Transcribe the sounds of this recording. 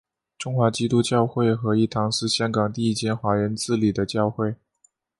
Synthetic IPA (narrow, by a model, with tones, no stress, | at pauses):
ʈ͡ʂʊ˥ŋxwa˧˥t͡ɕi˥t̪u˥t͡ɕjɑ˥˧ʊxwe˥˩ɪxɤ˧˥i˥˩t̪ʰɑ˧˥ŋʂɻ̩˥˩ɕjɑ˥ŋkɑ˨˩ŋt̪i˥˧i˥˩t͡ɕjɛ˥nxwa˧˥ɻə˧˥nt͡sɹ̩˥˩li˨˩d̪ə˦t͡ɕjɑ˥˧ʊxwe˥˩ɪ